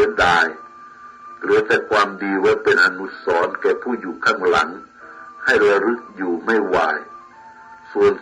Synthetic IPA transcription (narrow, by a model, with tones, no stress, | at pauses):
daː˧j | lɯː˨˦ɐtɛː˧˩kʰwaː˧mdiː˧waː˧˥˩pe˨nʔa˧nu˦˥t̪̚sɔː˨˦nkɛː˧˩pʰuː˥˩juː˨˩kʰaː˧˥˩ŋla̰˩˦ŋ | ha˥˩jɾa˧lɯ˧˦˥k̚juː˨˩ma˥˩jwaː˧˩j | su˧˨˩ən